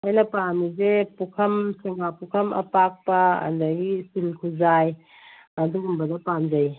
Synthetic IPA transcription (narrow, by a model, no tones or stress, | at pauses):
ajnɐpamizepukʰɐmsiŋapukʰɐmɐ̰pak̚pɐɐ̰dɐɡisilkʰuzaj | ɐduɡumbɐdɐpamzɐj